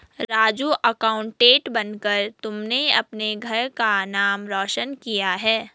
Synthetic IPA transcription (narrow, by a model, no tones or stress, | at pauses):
ɾaːd͡ʒuʔɐkaːʊ̃ɳʈːeːʈbɐnkəɾt̪ʊmneɐpneɡʱɐɾkanaːmɾɔːʃənkijaɦɛː